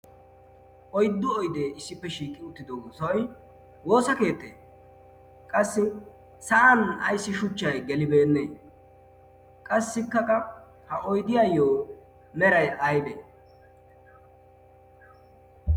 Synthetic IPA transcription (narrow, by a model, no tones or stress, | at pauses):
ʔɔjd̪ːʊɔjd̪eːʔɪsːɪpːɛʃiːkʼːɪʊt̪ːɪd̪owswɐj | wo̞ːsɐke̞ːt̪ːḛː | kʼɐsːɪ | sɐʔɐnɐ̰jsːɪʃʊt͡ʃːɐjɡɛlɪbe̞ːnːḛː | kʼɐsːɪkːɐkɐ | hɐʔɔjd̪ɪjajoː | mɛɾɐjɐjd̪ḛː